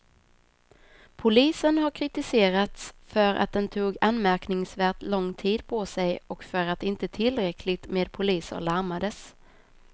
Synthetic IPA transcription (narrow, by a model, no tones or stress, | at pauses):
pʰʊliːsənɦaɾkʰɾɪt̪ɪseːɾat̪sfœɾʔa̰t̪̚d̪ɛnt̪ʰuːɡanmæɾknɪŋsvæːʈlɔŋːt̪ʰiːd̪pʰosɛjɔkfœɾat̪ɪnt̪ət̪ʰɪlɾɛkʰlɪɡ̚t̪meːd̪̚pʰʊliːsə̰ɭaɾmad̪əs